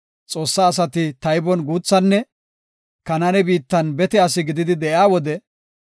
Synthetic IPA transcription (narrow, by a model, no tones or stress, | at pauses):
t͡sʼo̞ːsːaːs̬ɐt̪ɪt̪ɐjbɔnɡuːt͡sːɐnːɛ | kɐnɐnɛbiːt̪ːɐnbɛt̪ɛɐs̬ɪɡɪd̪ɪd̪ɪd̪ɛʔjaːwɔd̪ɛ